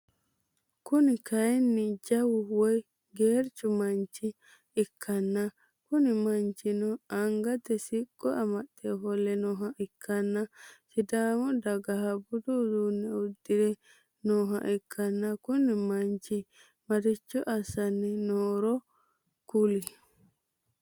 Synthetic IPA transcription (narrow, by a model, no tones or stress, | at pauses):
kunikajnːid͡ʒawuwɔj | ɡeɾt͡ʃumaɲt͡ʃiː | kʰːanːa | kunimaɲt͡ʃinɔʔaŋɡat̪ɛsiɡːɔamatːɛɦɔlːɛnɔɦaʔikʰːanːasidamɔdaɡahabududunɛudːiɾɛ | nɔɦa̰ʔikʰːanːakunimaɲt͡ʃi | maɾit͡ʃːuʔasanːinɔːɾɔ | kuli